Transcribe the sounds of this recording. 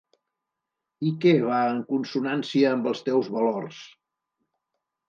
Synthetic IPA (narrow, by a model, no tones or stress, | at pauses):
ikɛβaəŋkunsunansiəːmbəlˠst̪ɛwzβəlors